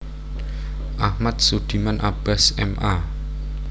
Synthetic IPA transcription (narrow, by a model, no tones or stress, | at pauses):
ʔahmat̪̚sud̪̥i̤manʔab̥asɛmʔa